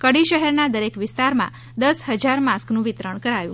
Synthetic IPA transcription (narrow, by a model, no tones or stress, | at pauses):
kəɽiʃəɦɛɾnad̪əɾekʋɪst̪aɾmã̰ | d̪əsɦəd͡ʒaɾmãsknũʋɪt̪ɾəɳkəɾajũ